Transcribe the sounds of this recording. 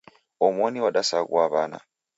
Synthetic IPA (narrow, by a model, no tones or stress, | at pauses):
ɔmɔniwaɗasaɣṵaβana̰